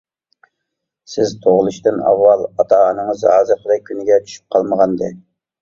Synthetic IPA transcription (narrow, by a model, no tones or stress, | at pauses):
sɪzt̪ʰoʁlˠuʃt̪ɨnɑ̰wːɑlˠɑt̪ʰɑːnɨŋəzɑːzɨqʰəlɛkʲʰːynɪɡʲɛt͡ʃ̪ʰy̥ʃy̥p̚qʰɑlˠməʁɑnd̪ɨ